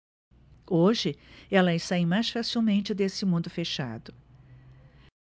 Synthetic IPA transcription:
oʒɪɛlɐɪst̪aĩmajsfasiwmẽnt͡ʃɪd̪esɪmũnd̪ʊfeʃa̰d̪ʊ

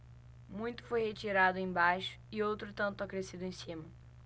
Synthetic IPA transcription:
mũj̃t̪ʊ̥fojhet͡ʃiɾad̪ʊẽj̃bajʃʊ̥ɪowt̪ɾʊt̪ɐ̃nt̪ʊakɾesid̪ʊẽsĩmɐ

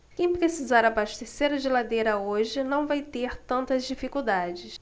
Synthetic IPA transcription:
kẽj̃pɾesizaɾabaʃt̪eseɾɐd͡ʒɪlad̪ejɾɐoʒɪnɐ̃w̃vajt̪eɾt̪ɐ̃nt̪ɐzd͡ʒifikuwd̪ad͡ʒɪs

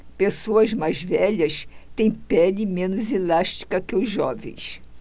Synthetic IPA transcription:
pesoɐzmajzvɛʎɐst̪ẽj̃pɛlɪmẽnʊzelaʃt͡ʃi̥kɐkɪʊzʒɔvḛ̃j̃s

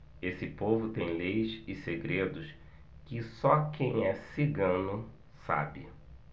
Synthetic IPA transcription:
esɪpovʊt̪ẽj̃lejsɪseɡɾed̪ʊs | kɪsɔkẽj̃ɛsiɡɐ̃nʊ | sa̰bɪ

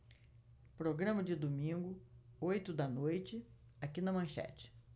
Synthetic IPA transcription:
pɾoɡɾɐ̃mɐd͡ʒɪd̪omĩɡʊojt̪ʊd̪ɐnojt͡ʃɪ | akinɐmɐ̃ʃɛ̰t͡ʃɪ̥

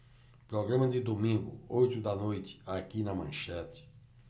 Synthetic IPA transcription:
pɾɔɡɾɐ̃mɐd̪ɪd̪omĩɡʊ̰ojt̪ʊd̪ɐnojt̪ɪ̥akinɐmɐ̰̃ʃɛt̪ɪ̥

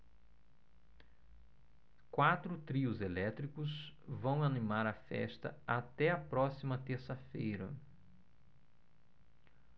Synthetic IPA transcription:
kwat̪ɾʊt̪ɾiʊzelɛt̪ɾikʊz | vɐ̃w̃animaɾɐfɛ̰st̪ɐ̰at̪ɛɐpɾɔsimɐt̪eɾsɐfejɾɐ̰

